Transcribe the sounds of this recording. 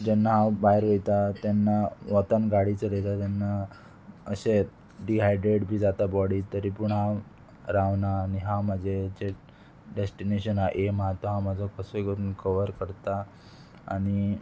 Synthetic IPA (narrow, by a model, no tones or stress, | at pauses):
d͡ʑɛnːaɦãbaɦeɾʋejt̪at̪janːaʋət̪ənɡaɽit͡səɾəjt̪at̪janːa | əɕe | ɖiɦajɖɾeɽbʱiːd͡zat̪abɔɽiːt̪əɾipuɳɦã | ɾaʋnaːniɦãməd͡zʱed͡ʑe | ɖesʈineɕənaʔemat̪ɔɦaməd͡zʱɔkəsokəɾuːnkəʋəɾkəɾt̪a | a̰ɽ̃i